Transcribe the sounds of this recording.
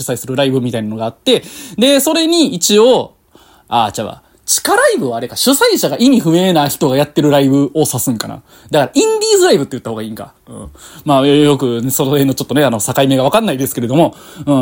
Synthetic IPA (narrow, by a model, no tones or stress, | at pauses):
ɨ̥saisɨɾɯ̟ɾaibɯ̟mʲit̪ainano̞ɡaːt̪ːe̞d̪e̞so̞ɾe̞ɲ̟iit͡ɕio̞ | a̰ːt͡ɕaβa̰ | t͡ɕi̥kaɾaibɯ̟βaːɾe̞kaɕɨsaiɕaɡaʔimʲiɸɯ̟me̞ːnaçi̥t̪o̞ɡajat̪ːe̞ɾɯ̟ɾaibɯ̟o̞sasɨ̃ŋkana̰ | d̪akaɾaʔĩnd̪ʲiːzɨɾaibɯ̟t̪ːeɯ̟t̪ːahoɡaĩːŋka̰ | ɯ̟̃ːmaːjo̞kɯ̟nsonohenːot͡ɕo̞t̪ːneano̞sakaime̞ɡaβakanːaid̪e̞sɨ̥ke̞ɾe̞d̪o̞mo̞ | ɯ̃ː